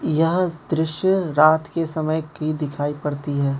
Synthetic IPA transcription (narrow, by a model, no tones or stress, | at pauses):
jɐɦd̪ɾɪʃjəɾaːt̪kesɐməjkid̪ɪkʰaːipɐɽt̪iɦɛː